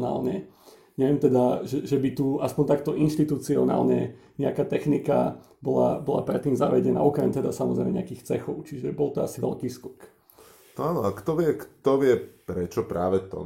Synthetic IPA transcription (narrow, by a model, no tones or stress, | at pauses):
na̰ːlɲɛ | ɲɛʋɪɛmt̪ɛd̪aʒɛʒɛbit̪uaspɔnt̪ak̚t̪ɔʔinʃt̪it̪ut͡siɔna̰ːlɲɛ̰ɲɛakaːt̪ɛxnika̰ | bɔla̰bɔla̰pɾɛt̪ːiːmzaʋɛɟɛna̰ɔkɾɛmt̪ɛd̪asamɔ̰zɾɛɪmɛɲɛ̰akiːxt͡sɛxɔʊt͡ʃiʒɛbɔlˠt̪ɔa̰siʋɛ̰ʎkiːskɔk | nɔaːnɔakt̪ɔʋɪɛkt̪ɔʋɪɛpɾɛt͡ʃɔpɾaːʋɛt̪ɔ̰